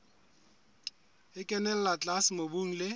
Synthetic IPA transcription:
ɪkʼɛnɛl̩lat͡ɬʼasɪmobuŋ̩lɪ

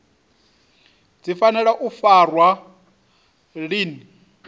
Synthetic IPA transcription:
d͡zifanɛɺaʔufarwa | ɺiːni

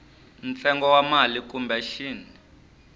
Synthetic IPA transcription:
nfɛŋɡɔwamalik̬ʼumbʱɛʃiːni

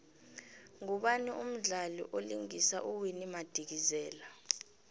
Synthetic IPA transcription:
ŋuɓanium̩ɮaliʔoliŋisa̰ʔuwinimad̥ʱik̬izɛːla

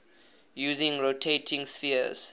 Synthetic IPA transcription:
juːzĩŋɹotʰetʰĩŋsfiəz̥

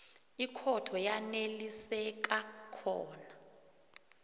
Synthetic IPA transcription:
ikʰɔtʰɔjanelisɛk̬ʼakʰɔːna

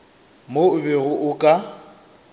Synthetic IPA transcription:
moʊbeɣʊʔʊkʼa

